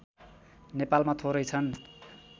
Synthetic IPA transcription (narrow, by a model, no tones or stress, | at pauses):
nepalmat̪ʰoɾʌjt͡sʰʌn